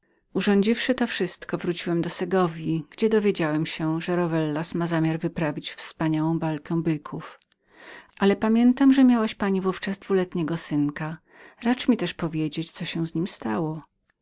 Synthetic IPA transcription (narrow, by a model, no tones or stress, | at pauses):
uʐɔɲd͡ʑifʂɘt̪ɔfʂɘst̪kɔvɾut͡ɕiwɛmd̪ɔsɛɡɔvʲjiɡ̥d͡ʑɛd̪ɔvʲjed͡ʑawɛmɕɛʐɛɾɔvɛlːasmazamʲjaɾvɘpɾavʲit͡ɕfspaɲawɔ̃w̃valkɛ̃bɘkʰuf | ʔalɛpamʲjɛnt̪amʐɛmʲjawaɕpaɲivuft͡ʂazd̪vulɛt̪ɲɛɡɔsɘnka | ɾat͡ʂmʲit̪ɛʂpɔvʲjed͡ʑet͡ɕ̪sɔɕɛ̃w̃zɲimst̪awɔ